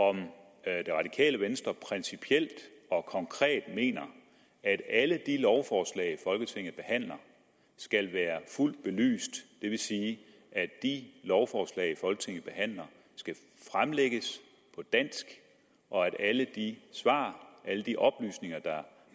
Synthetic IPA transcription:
ɒ̽m | d̥e̝ʁɑ̈d̥ikʰɛ̰ːləʋensd̥ʁɐpʰʁɛnsipʰiel̰d̥ɒ̽kʰɒ̽ŋkʰʁɛ̰ːd̥me̝̰ːnɐ | æd̥æləd̥ilɒʊfɒːslɛ̰ɪfɒ̽lɡ̥ət͡sʰe̝ŋ̰ð̩ˠb̥e̝hæn̰lɐ | sɡ̥ælʋæːɐful̰d̥̚b̥e̝ly̰ːsd̥ːe̝ʋe̝siː | ʔædd̥ilɒʊfɒːslɛ̰ːɪfɒ̽lɡ̥ət͡sʰe̝ŋ̰ð̩ˠb̥e̝ɦæn̰lɐ | sɡ̥æ | fʁamleɡ̥əs | pʰɒ̽d̥æn̰sɡ̥ | ʔɒ̽æɾ̥æləd̥isʋɑ̰̈ːʔæləd̥iʔɒ̽b̥ly̰ːsne̝ŋɐd̥ɑ̈

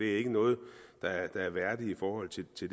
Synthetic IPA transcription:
d̥e̝æɐe̝ɡ̥ənɔ̽ːð̞̩ˠd̥ɑ̈æɐd̥ɑ̈æɐʋæɐd̥iifɒːhɒ̽l̰t͡sʰe̝lt͡sʰe̝d

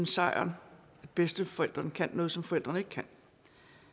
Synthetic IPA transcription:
nsɑ̈ɪ̰ɐn | æd̥̚b̥esd̥əfɒ̽el̰d̥ʁɐnkʰænːɔ̽ːð̞̩ˠsɒ̽mfɒ̽el̰d̥ʁɐne̝ɡ̥əkʰæn

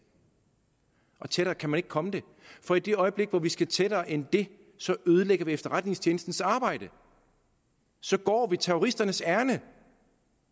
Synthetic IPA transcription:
ʔɒ̽t͡sʰeɾ̥ɐːkʰæmæne̝ɡ̥kʰɒ̽məd̥e̝ | fɒ̽id̥e̝ɒ̽ɪəb̥le̝ɡ̥ʋɒʋisɡ̥æt͡sʰed̥ɐːʔend̥e̝ | sɒ̽ʔøːð̞ˠəleɡ̥ɐʋiefd̥ɐʁad̥ne̝ŋst͡ɕʰjeːnsd̥n̩sɑ̈ːb̥ɑ̈ɪ̰d̥ə | sɒ̽ɡ̥ɒ̰ːʋit͡sʰæoʁisd̥ɐnəsæɐnə

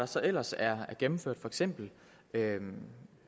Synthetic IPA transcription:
ɑ̈sɒ̽ʔel̰ɐsæɐæɐɡ̥emm̩føɐ̰d̥fɒ̽eɡ̥sem̰b̥l̩ | ø

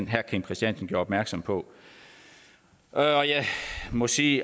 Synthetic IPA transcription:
n̰ɦæɐkʰeŋpʰʁɛsid̥en̰sn̩ɡ̥ɔoːɐɒb̥mæɐɡ̥sɒ̽mpʰɒ̽ | ʔɒjɑmɔ̽siː

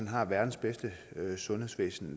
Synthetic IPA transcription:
ænɦɑ̈ʋæɐd̥n̩sb̥esd̥əsɔ̽nhesʋḛːsn̩

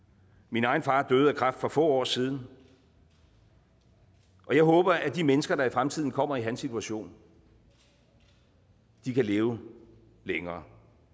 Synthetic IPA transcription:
minɑ̈ɪnfɑ̈ːd̥øːð̩ˠækʰʁɑ̈fd̥fɒ̽fɔ̰̽ːɒ̰ːsið̞ˠn̩ | ʔɒ̽jɑ̈ɪɦɔ̽ːb̥ɐʔæd̥imenəsɡ̥ɐɾ̥ɑ̈ifʁamt͡sʰið̞̰ˠn̩kʰɒ̽m̰ɐiɦænsit͡sʰuæɕo̝̰ːn | d̥ikʰæle̝ːʊ | leŋɐː

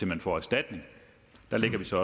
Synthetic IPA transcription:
emænfɒ̰ːæsd̥æd̥ne̝ŋ | d̥ɑ̈le̝ɡ̥ɐʋisɒ̽ɒ̽

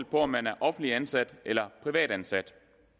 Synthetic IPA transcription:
lpʰɒ̽ɒ̽mːænæɐʔɒ̽fn̩liænsæd̥ʔelɐpʰʁiʋɛ̰ːd̥ænsæd̥

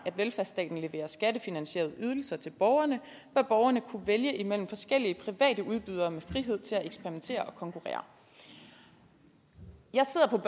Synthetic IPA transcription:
æd̥ʋelfæɐsd̥ɛ̰ːd̥n̩le̝ʋe̝̰ːɐsɡ̥æd̥əfinænɕḛːɐð̞̩ˠəyð̞ˠl̩sɐt͡sʰe̝lb̥ɒʊɐnə | b̥ɶɐb̥ɒʊɐnəkʰuʋeljəʔimel̰m̩fɒ̽sɡ̥el̰iəpʰʁiʋɛ̰ːd̥əʔuð̞ˠb̥yðˠɐmefʁiɦe̝ð̞̰ˠt͡sʰe̝læeɡ̥sb̥eɐʁiment͡sʰe̝̰ːɐʔɒ̽kʰɒ̽ŋkʰuʁɛ̰ːɐ̰ | jɑ̈ɪse̝ð̞̰ˠɐpʰɒ̽b̥

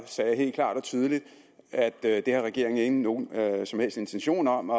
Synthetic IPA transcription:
sɛːjhe̝̰ːld̚kʰlɑ̰̈ːd̥ɒ̽t͡sʰyːð̞ˠəlid̥ | æd̥d̥e̝hɑ̈ʁɛɡ̥e̝ɐeŋe̝ŋɡn̩ːo̝ːnsɒ̽mhel̰sd̥e̝nt͡sʰenɕo̝̰ːnɒ̽mɒ

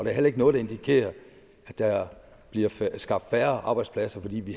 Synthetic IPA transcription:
ɒd̥e̝ɐɦel̰ɐeɡənɔ̽ðˠd̥e̝nd̥ikʰe̝̰ːɐ | æd̥ːɑ | b̥liɐsɡ̥ɑ̈b̥d̥fæɐʔɑ̈ːb̥ɑɪd̥spʰlæsɐfɒ̽d̥ḭːʋi

